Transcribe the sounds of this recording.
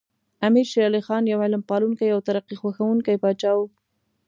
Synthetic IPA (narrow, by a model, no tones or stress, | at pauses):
amiɾʃiɾɑlixɑnjawɪlmpɑluŋkajawt̪aɾaqixwaxawuŋkajpɑt͡ʃɑw